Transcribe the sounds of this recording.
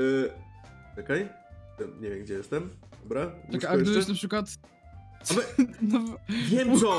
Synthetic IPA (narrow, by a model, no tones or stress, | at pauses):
ɛkɛj̪ | ɛmɲevʲjɛmɡd͡ʑɛjɛst̪ɛm | d̪ɔbɾaakaaɡd̪ɪbɪɕ̬napʂɨkwat̪ | alɛnɔvʲjɛmuɔ